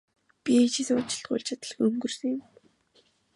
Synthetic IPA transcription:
pʲit͡ɕisʊːt͡ɕɪ̥̆ɬt̪̚ɢʊ̰jɮʲt͡ɕʰat̪ə̆ɮ̆xɵŋɡɵ̆r̥sɘ̆ŋjʊ̆m

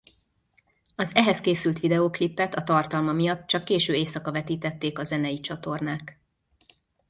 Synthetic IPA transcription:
ɒzɛɦɛskeːsylt̪ʋid̪ɛoːklipːɛt̪ɒt̪ɒrt̪ɒlmɒmijɒt̪t͡ʃɒkːeːʃøːeːsɒkɒvɛt̪iːt̪ɛt̪ːeːkɒzɛnɛjit͡ʃɒt̪o̞rnaːk

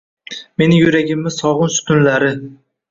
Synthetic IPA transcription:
me̞nɪjʊɾaɡʲɪmːɪsɒʁʊnsʊ̥t̪ʰʊnlaɾɪ

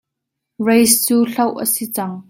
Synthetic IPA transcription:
ɹejst͡suːɬɐwʔəsit͡sɐŋ

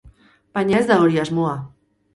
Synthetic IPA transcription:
b̥aɲaezd̪aoɾiazmoa

